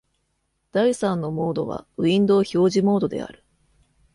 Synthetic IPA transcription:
d̪̥aisãnːo̞mo̞ːd̪o̞̰βa̰ɯ̟ĩnd̪o̞ːço̞ːʑimo̞ːd̪o̞d̪e̞̰a̰ɾɯ̟̥

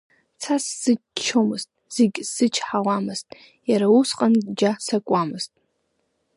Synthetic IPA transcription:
t͡sʰasz̥ɨ | t͡ʃʰomɨztʼz̥eɡʲsɨt͡ʃʰħalamɨztʼ | jaɾausqʼand͡ʒasakʷʼamɨz̥tʼ

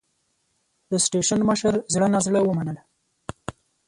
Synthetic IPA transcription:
d̪əsʈeʃanməʃəɾzɽənazɽəwəmanəla

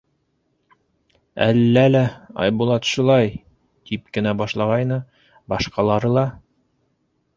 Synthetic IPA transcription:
æ̰lːælæɑ̰jbulˠɑt̪ʃulˠɑj | t̪ip̚kɘ̆næbɑʃlˠɑʁɑjnɤ | bɑʃqɑlˠɑɾɤlˠɑ

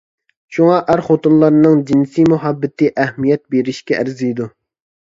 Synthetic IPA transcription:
ʃuŋɑʔæɾχot̪unlˠɑɾnɨŋd͡ʒinsimuɦɑbːɪt̪ʰɪʔæhmijɛt̪̚beɾɪʃkʲɛʔæ̰ɾzijd̪u

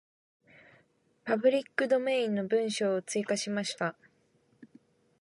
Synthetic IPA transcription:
pabɯ̟ɾʲikːɯ̟d̪o̞me̞ːĩnːo̞bɯ̟̃ɰ̃ɕo̞ːt͡sɨikaɕimaɕi̥t̪a

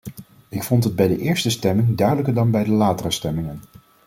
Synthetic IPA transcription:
ɪkfɔntɦəd̚bɛjdəʔɪːɹstəstɛmɪŋdœɥdələkəɹdɑnbɛjdəlaːtərəstɛmɪŋən

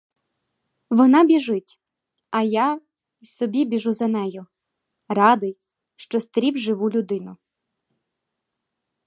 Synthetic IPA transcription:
ʋɔnɑbʲiʒɪtʲ | ɐja | isɔbʲibʲiʒuzɐnɛjʊ | rɑd̪ɪj | ʃt͡ʃɔst̪ɾʲiwʒɪʋulʲʊd̪ɪnʊ

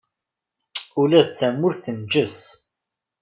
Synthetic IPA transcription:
ulæðt͡sːæmːʊɾθənd͡ʒəs

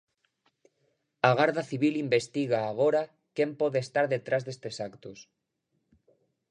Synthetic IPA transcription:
aɣ̞aɾðaθiβ̞ilimbest̪iɣ̞aːɣ̞oɾa | kempoðeːst̪aɾðet̪ɾazðest̪esakt̪os

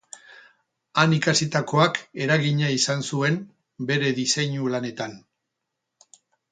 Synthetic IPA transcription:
anikasit̪ako̞ake̞ɾaɣiɲaisansue̞n | be̞ɾe̞ðisejɲulane̞t̪an

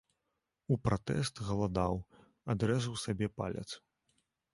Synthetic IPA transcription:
upɾat̪ɛ̰st̪ɣɐlˠad̪aw | ad̪ɾɛzɐwsabʲɛpa̰lʲɐ̰t̪s

